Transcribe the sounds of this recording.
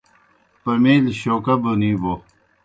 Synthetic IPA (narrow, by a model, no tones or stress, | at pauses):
pɐmiːlɕoːkɐbunibo